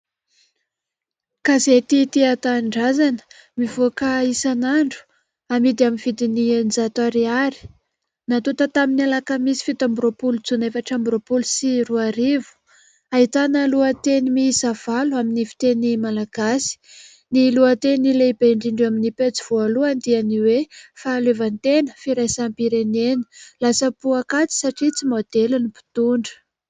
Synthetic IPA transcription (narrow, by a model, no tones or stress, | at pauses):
kazet̪it̪iat̪aɳɖ͡ʐazanə̥ | mivokaisanaɳɖ͡ʐu̥ | amid̪iaminv̥id̪inind͡zat̪aɾiaɾi̥ | nat̪ut̪at̪aminialakamisi̥fit̪ambuɾopulut͡sunefaʈ͡ʂambɾopulusiruaɾivu̥ | aɦit̪anəluat̪enimisav̥aluaminifi̥t̪enimalaɡ̥asi̥ | niluat̪enileibeɳɖ͡ʐiɳɖ͡ʐaminipet͡siv̥ualuand̪ianiwefalevant̪enəfiɾajsampiɾeneni̥lasəpuakat͡si̥saʈ͡ʂit͡simod̪̥elunipi̥t̪uɳɖ͡ʐə̥